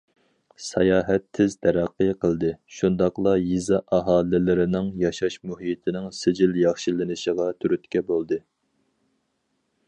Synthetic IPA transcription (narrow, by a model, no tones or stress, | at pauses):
sɑjɑːɦɛt̪ʰːɪzt̪ʰɛɾæqːəjqʰəlˠd̪ɨʃund̪ɑqlˠɑjizɑʔɑɦɑːlɪlɪɾɪnɪŋjɑʃɑʃmuɦijt̪ʰɪnɪŋsɪd͡ʒɪljɑχʃilɪnɨʃəʁɑt̪ʰyɾyt̪kʲɛbolˠd̪ɨ